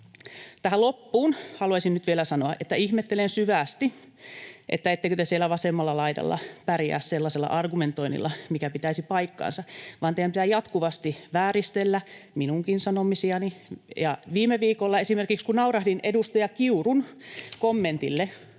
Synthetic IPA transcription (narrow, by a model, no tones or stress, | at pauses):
t̪æhælopːuːnhɑluɑisinnyt̪ʋielæsɑnoɑʔet̪ːæihmet̪ːelensyʋæːˑst̪i | ʔḛt̪ːæet̪ːekøt̪esielːˑæʋɑsemːɑlːɑlɑidɑ̰lːɑ̰pærjæ̰ːsselːɑselːɑ̰ʔɑrɡument̪oinḭlːɑmikæpit̪æisipɑikːɑ̰ːnsɑʋɑːnt̪eiæmpit̪æjɑt̪kuʋɑst̪iʋæːrist̪elːæminuŋkinsɑnomisiɑnijɑʋiːmeʋiːkolːɑesimerkikskunɑurɑhdinedust̪ojɑkiurunkomːent̪ilːe